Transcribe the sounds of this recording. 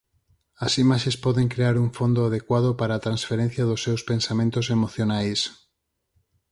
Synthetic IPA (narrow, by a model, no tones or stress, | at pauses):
asimaʃespɔðeŋkɾeaɾuɱfond̪oað̞ekwað̞opaɾaːt̪ɾansfeɾẽn̟θjaðosːewspensamẽnt̪osemoθjonajs